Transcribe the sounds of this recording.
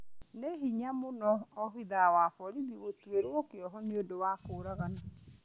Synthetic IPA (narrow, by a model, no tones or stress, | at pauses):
neɦiɲamonɔɔɦiðawafɔɾiðiwotweɾwɔkeɔɦɔneodowakoːɾaɣana